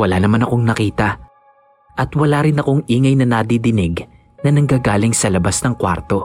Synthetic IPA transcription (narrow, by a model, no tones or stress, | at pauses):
wɐlaːnɐmanɐko̞ŋnɐkiːt̪ɐ | ʔɐt̪wɐlaːɾɪnɐko̞ŋʔiːŋɐjnɐnɐd̪id̪ɪnɪɡ | nɐnɐŋɡaːɡaːlɪŋsɐlɐbasnɐŋkwa̰ɾt̪o̞